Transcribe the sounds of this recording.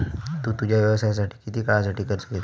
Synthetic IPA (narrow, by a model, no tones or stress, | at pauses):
t̪uːt̪ud͡ʑjaʋjəʋəsajas̬aʈʰiːkit̪iːkaɭasaʈiːkəɾt͡səlet̪